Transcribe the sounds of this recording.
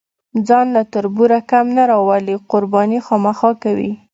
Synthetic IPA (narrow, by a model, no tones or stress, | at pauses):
d͡zɑnlat̪ʊɾbuɾakamnaɾɑwaliqʊɾbɑnixɑmaxɑkawḭ